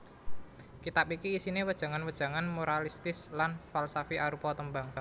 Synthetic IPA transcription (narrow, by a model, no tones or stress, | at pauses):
kit̪apikiːsinewəd̥ʒ̥a̤ŋanwəd̥ʒ̥a̤ŋanmoɾalist̪ɪslanfalsafiʔaɾupɔt̪əmbaŋ